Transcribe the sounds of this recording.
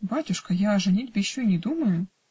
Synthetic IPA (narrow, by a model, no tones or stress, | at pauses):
batʲʊʂkəjaɐʐɨnʲitʲbʲɪɕːoinʲɪd̪uməjʊ